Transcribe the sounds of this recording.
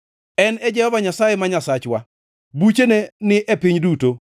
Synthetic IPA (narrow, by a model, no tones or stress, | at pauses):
ɛnɛd͡ʒɛhɔvaɲasajemaɲasat͡ʃwa | but͡ʃenenɪʔepɪɲduto